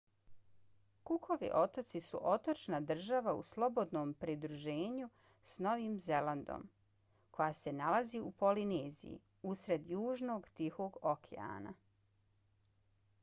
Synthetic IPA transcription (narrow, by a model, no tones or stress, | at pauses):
kukʰo̞ʋḭʔo̞t̪ot̪sisṵʔo̞t̪o̞t͡ʃnad̪r̩ʒaʋaṵslˠo̞bo̞d̪no̞ːmpɾid̪ɾuʒe̞ːɲu | sno̞ʋiːmze̞land̪o̰m | kʰo̞jaːse̞nalaziupo̞lineːzḭjḭ | usɾe̞d̪juːʒno̞ɡt̪ixo̞ːɡokʰḛa̰ːna̰